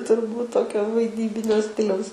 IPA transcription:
tʊrˈbuːt ˈtoːkʲoː ʋɐɪˈdʲiːbʲɪnʲoː ˈsʲtʲɪlʲɛʊs

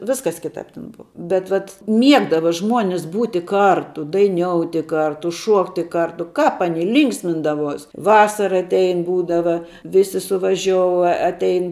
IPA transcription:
ˈʋʲɪskɐs ˈkʲɪtɑːp tʲɛn ˈbʊʋɐ bʲɛt ˈʋɐt ˈmʲiɛɡdɐʋɐ ˈʒmuɔnʲɪs ˈbuːtʲɪ ˈkɐrtʊ dɐɪˈnʲoːʊtʲɪ ˈkɐrtʊ ˈʃuɔktʲɪ ˈkɐrtʊ ˈkɑːp ɐˈnʲɪ ˈlʲiːŋksʲmʲɪndɐʋuɔs ˈʋɑːsɐrɐ ɐtʲˈɛɪn ˈbuːdɐʋɐ ˈʋʲɪsʲɪ sʊʋɐˈʒʲoːʊ ɐ ɐtʲˈɛɪn

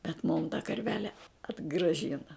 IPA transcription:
bʲɛt mʊm tɐ kɐrʲˈʋʲæːlʲɛ ɐdɡrɐˈʒʲɪnɐ

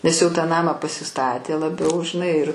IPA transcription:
nʲɛs jɛʊ tɑː ˈnɑːmɑː pɐsʲɪˈstɑːtʲeː lˠɐˈbʲɛʊ ʒʲɪˈnɐɪ ɪr

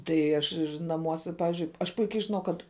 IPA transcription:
tɐɪ ˈɐʃ nɐˈmuɔsʲɛ ˈpɑːʋʲɪzʲd͡ʒʲʊɪ ɐʃ ˈpʊɪkʲɛɪ ʒʲɪˈnɐʊ ˈkɐt

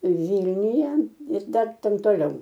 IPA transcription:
ˈʋʲiːlʲnʲʊjɛ ɪr ˈdɐr ˈtʲɛn toːˈlʲɛʊ

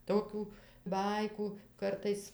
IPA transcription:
ˈtoːkʲuː ˈbɐɪkuː ˈkɐrtɐɪs

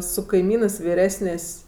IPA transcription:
sʊ kɐɪˈmʲiːnɜs ʋʲɪˈrʲæːsʲnʲeːsʲ

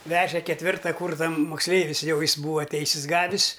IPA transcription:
ˈʋʲæːʒʲɛ kʲɛtʲˈʋʲɪrtɐ ˈkuːrsɐ moːksʲˈlʲɛɪʋʲɪs ˈjɛʊ ˈjɪs ˈbuːʋɐ ˈtʲɛɪsʲɪs ˈɡɑːʋʲɪs

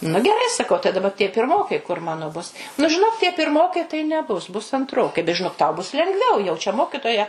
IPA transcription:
nʊ ɡʲɛˈrɐɪ sɐˈkɐʊ tɐɪ dɐˈbɐ tʲiɛ pʲɪrˈmoːkɐɪ kʊr ˈmɑːnoː bʊs nʊ ʒʲɪˈnoːk tʲiɛ pʲɪrˈmoːkɐɪ tɐɪ nʲɛˈbʊs bʊs ɐntˈroːkɐɪ bʲɛt ʒʲɪˈnoːk tɐʊ bʊs lʲɛŋɡˈʋʲɛʊ jɛʊ t͡ʃʲɛ ˈmoːkʲɪtoːjɛ

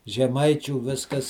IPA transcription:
ʒʲɛˈmɐɪt͡ʃʲuː ˈʋʲɪskɐs

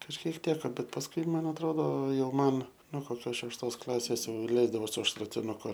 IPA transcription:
kɐʃʲˈkʲiɛk ˈtʲæːkɐ bʲɛt pɐsˈkʊɪ ˈmɐn ɐtˈroːdoː ˈjɛʊ ˈmɐn noː koːˈkʲoːs ʃʲɛʃˈtoːs ˈklˠɑːsʲeːs ˈlʲɛɪzdɐʋoː sʊ ʃrɐtʲɪnʊˈkʊ

